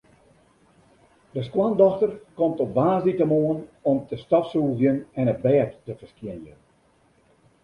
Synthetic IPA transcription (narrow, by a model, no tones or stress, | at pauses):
dəskwandɔxtərkɔmtɔpʋaːzditəmoənɔmtəstɔfsuːzjənɛnət̚bɛːtːəfəskjɪnjə̰n